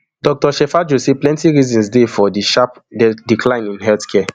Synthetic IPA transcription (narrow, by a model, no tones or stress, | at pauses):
dɔk̚tɔʃɛfad͡ʒoseplɛ̃ntiɹizɔ̃nsdefɔdiʃapdɛdikʰlãɪ̃nĩnɦɛltkʰɛ